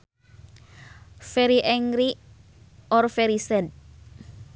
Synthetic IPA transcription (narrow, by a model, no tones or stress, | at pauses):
fɛɾiʔɛŋɾi | ɔɾfɛɾisɛd̪̚